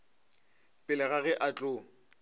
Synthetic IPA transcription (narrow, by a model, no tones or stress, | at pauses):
pʼɪlɛɣaɣɛʔat͡ɬʼʊ